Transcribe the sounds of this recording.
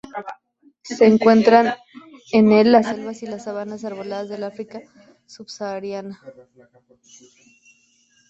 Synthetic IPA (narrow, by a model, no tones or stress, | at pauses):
se̞ːŋkwe̞nt̪ɾan | ene̞lːase̞lβasilasːaβ̞anasaɾβo̞laðazðe̞lafɾika | suβsaːɾjana